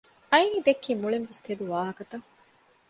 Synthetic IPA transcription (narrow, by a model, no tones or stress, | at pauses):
ɐiniːd̪ekːiːmuɭenʋest̪ʰed̪uʋaːɦɐkɐt̪ɐ